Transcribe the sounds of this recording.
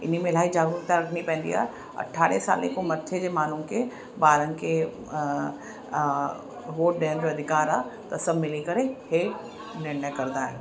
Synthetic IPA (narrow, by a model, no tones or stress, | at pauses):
ɪ̰n̤imẽlaːid͡ʑaːɡɾuɾt̪aɾɐkʰñipɛ̃ːn̆d̪ḭɦa̰ːe | ɐ̰ʈʰaːɾesa̰ːlekomɐt̪ʰːed͡ʑeːmaːn̤unkʰe | baːɾənkʰe | ʋoːʈ̚ɗeɦənd͡ʑoɐd̪ʱɪkaːɾaːt̪ɐsɐbʱmɪlikɐɾeheː | nɪɾɳəjkɐɾd̪aːɦḛː